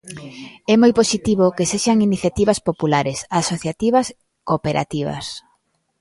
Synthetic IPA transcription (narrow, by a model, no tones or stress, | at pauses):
ɛmojposit̪iβ̞okeseʃaŋiniθjat̪iβɐspopulaɾesasoθjat̪iβɐs | kopeɾʔa̰t̪iβɐ̰s